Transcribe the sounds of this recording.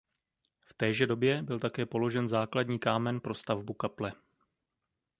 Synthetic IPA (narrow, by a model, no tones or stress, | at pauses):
ft̪ɛːʒɛdo̞bjɛbɪlt̪akɛːpo̞lo̞ʒɛnzaːkladɲiːkaːmɛnpɾo̞st̪avbukaplɛ